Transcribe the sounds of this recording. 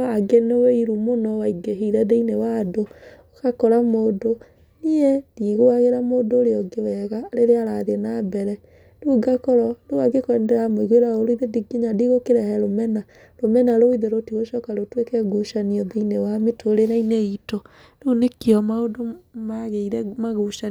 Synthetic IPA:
aɡɛnoweiɾumonɔwaiɡeɦeiɾadeinewadookakɔɾamoːdo | niɛdiɣoaɣeɾamoːdoːɾeɔɡewɛɣaleɾeaɾaðenabɛɾɛ | ɾuːɡakɔɾɔdowaɡekwɛndɛɾamoiɣweɾaoɾoiðediɡiɲadiɣokeɾɛhɛɾomɛna | ɾomɛnaɾoiðeɾotiɣoʃɔkaɾotwekɛɡuʃaniɔdeinewametoɾenaineito | nunekeɔmaodomaɣeiɾɛmaɣuʃa

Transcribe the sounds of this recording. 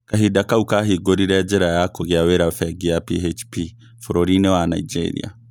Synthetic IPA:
kaɦidakaukaɦiɡoɾiɾɛd͡ʒeɾajakoɣjaweɾafɛɡiapiɦet͡ʃpi | fɔɾoɾinewana̰id͡ʒḛɾḭa̰

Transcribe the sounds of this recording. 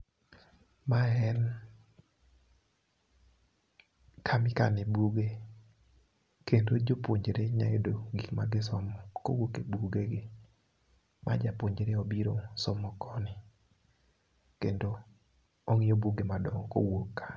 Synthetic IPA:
maɛn | kʰamɪkanɪbuɡe | kendod͡ʒopwoɲd͡ʒeɾeɲaedoɡikma̰ɡɪs̬ɔmɔkowokebuɡeɡɪ | mʔa̰d͡ʒapoɲd͡ʒeɾeobiɾosɔmɔkɔnɪ | kendoː | ŋɪjobuɡemadɔŋɔko̰wokːḁ

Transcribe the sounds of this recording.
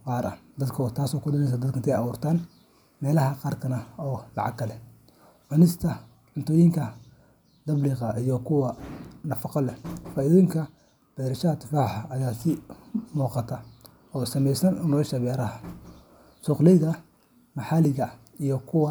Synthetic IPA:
qɑːɾʔɐ̰d̪ɐd̪kʰɔt̪ʰaːsɔːkʰʊɗɪnɛjs̬ɐd̪ɐd̪̚kʰɐnt̪ʰɛjɑwuːrt̪ʰaːn | mɛːlɐɦɐqɑːrkʰɐnɐɔːlɑ̰ʕɑ̰ɡkʰːɐlɛ | ʕʊnɪst̪ʰɐ | ʕʊnt̪ʰʊjɪŋkʰɐ | d̪ɐbliːqɑʔijɔkʰʊwɐnɐfɑqɔlɛfaːʔiðɔːjɪŋkʰɐ | b̥ɛɾɐʃaɐt̪faːħɐɐjaːsɪmuːqɑt̪ʰɐ | ɔːsɐmɛjsɐnʊnɔːʃɐβɛːɾɐhɐ | sʊqlɛjðɐ | mɑħɑːlɪɣɐ | ijɔkʰʊwɑ

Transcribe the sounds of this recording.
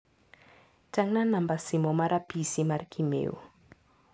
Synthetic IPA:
taŋnanambasimɔmaɾʔapisimaɾkimḛṵ

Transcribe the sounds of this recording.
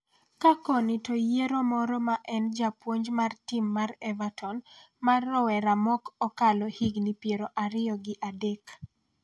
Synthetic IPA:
kakɔnitojeɾomɔɾɔmaʔɛnd͡ʒapwoɲd͡ʒmartimːarɛvatɔn | marːɔwɛɾamɔkɔkalɔhiɡnipjeɾoʔaɾɪjɔɡɪʔadek

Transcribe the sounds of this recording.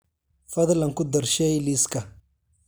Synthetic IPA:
fɐðlɐŋkʊd̪ɐrʃɛjlɪskʰɐ

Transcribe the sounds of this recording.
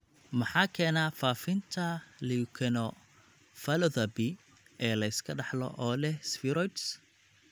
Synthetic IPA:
mɑħɑːkʰɛːnaːfaːfɪnt̪ʰɐlikʰɛnɔ | fɐlɔðɐbi | ɛːlɐɪskʰɐɖɑħlɔ̰ʔɔːlɛhsfɪɾɔjt̪s

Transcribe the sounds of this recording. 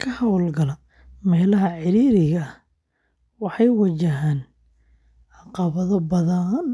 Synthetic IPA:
kʰɐhɐwlɡɐlɐ | mɛːlɐɦɐʕɪɾiːɾɪɣɐ | wɑħɑjwɐt͡ʃɐɦaːn | ʕɑqɑβɐðɐbɐðɐn

